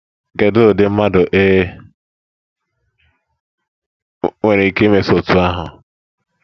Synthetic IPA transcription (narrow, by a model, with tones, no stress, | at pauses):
ɡe˨dʊ˦˨dɪ˦m̩˦ma˦dʊ˨ʔe˦ | ŋʷe˨ɾe˨i˨ke˦me˨so˨tu˨a˦ɦʊ˨